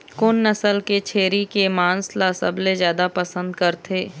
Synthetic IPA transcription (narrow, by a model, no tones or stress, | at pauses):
kʊnːɐsəlket͡ʃʰeːɾikemãːnslaːsə̰blezjaːd̪apɐsə̃nd̪kɐɾt̪ʰeː